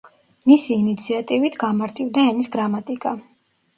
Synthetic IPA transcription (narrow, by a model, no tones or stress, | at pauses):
misiːnit̪sʰiat̪ʼivit̪ʰɡamaɾt̪ʼivd̪aɛnisɡɾamat̪ʼikʼa